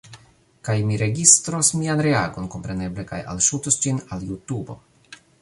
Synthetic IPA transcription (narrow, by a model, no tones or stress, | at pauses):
kajmiɾe̞ɡistɾosmianɾe̞aɡo̞nko̞mpɾe̞ne̞ble̞ka̰ja̰lʃutosd͡ʒinaljutubo̞̰